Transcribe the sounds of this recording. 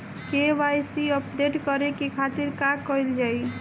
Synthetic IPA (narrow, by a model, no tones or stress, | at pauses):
kebajsiəpɖeʈkʌɾekikʰat̪iɾkakʌjld͡ʒaj